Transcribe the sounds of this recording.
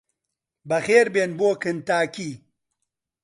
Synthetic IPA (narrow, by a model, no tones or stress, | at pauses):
bɐxeːɾbeːnboːkɨnt̪aːki